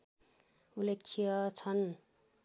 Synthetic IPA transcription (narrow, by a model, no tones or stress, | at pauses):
ulekʰːijʌt͡sʰʌn